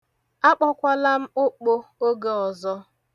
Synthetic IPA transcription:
a˦k͡pɔ˦kʷa˦la˦m̩˦ʊ˦k͡po˦o˦ɡe˦˨ɔ˨zɔ˦

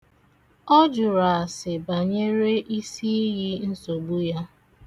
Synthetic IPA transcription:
ɔ˦d͡ʒʊ˨ɾa˨a˨sɪ˨ba˨ɲe˦ɾe˦ʔi˦si˦ɣi˦n̩˦so˨ɡ͡bu˦ja˦

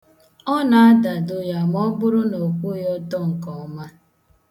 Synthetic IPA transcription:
ɔ˦na˨a˦da˨dʊ˦ja˨m˦ɔ˦bʊ˦ɾʊ˦no˨kʷu˦jɔ˦tɔ˦ŋ̩˨kɔ˨˦ma˦

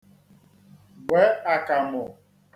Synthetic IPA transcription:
ɡ͡bwɛ˨˦a˨ka˨mɔ˨

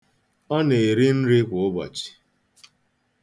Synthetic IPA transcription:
ɔ˦ne˨ɾi˦n̩˦ɾɪ˦kʷʊ˨ʊ˦bɔ̰˨t͡ʃi̥˨

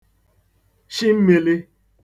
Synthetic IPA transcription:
ʃi˦m̩˦me˨lɪ˦

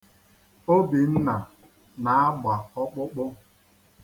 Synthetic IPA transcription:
o˦bi˨n̩˦na˨ | na˨˦a˦ɡ͡ba˨ɔ˦k͡pʊ˦k͡pʊ˦

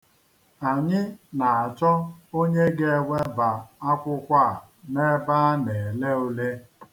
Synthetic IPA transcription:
a˨ɲɪ˦na˨a˨t͡ʃɔ˦o˦ɲe˦ɡe˦wʷe˦ba˨a˦kʷʊ˦kʷa˦˨ | ne˦ba˦ne˨le˦o˦le˦

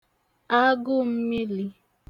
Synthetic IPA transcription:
a˦ɡʊ˦m̩˦mi˦li˦

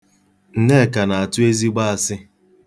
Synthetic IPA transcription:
n̩˨ne˦˨ka˨na˨a˨tʊ˦e˦zi˦ɡ͡ba˦a˨sɪ˦

